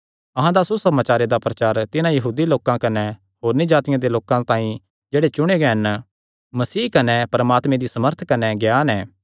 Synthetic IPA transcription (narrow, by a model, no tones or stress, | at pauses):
ɐɦãd̪asusɐmaːt͡ʃaːɾed̪apɾɐt͡ʃaːɾt̪ɪnãjɐɦuːd̪iloːkãkɐnɛ | ɦoːɾnid͡ʒaːt̪ɪjãd̪eloːkãt̪ãːĩ | d͡ʒeːɽet͡ʃʊɽ̃eɡɛɦɐn | mɐsiːkɐnɛpɐɾɐmaːt̪mẽd̪isɐməɾt̪ʰkɐnɛɡjaːnɛː